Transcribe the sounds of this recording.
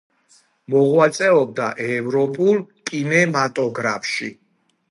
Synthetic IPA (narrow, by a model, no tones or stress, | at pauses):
mɔʁwat̪sʼɛɔb̚d̪a̰ʔɛvɾɔpʼulˠkʼinɛmat̪ʼɔɡɾa̰fʃḭ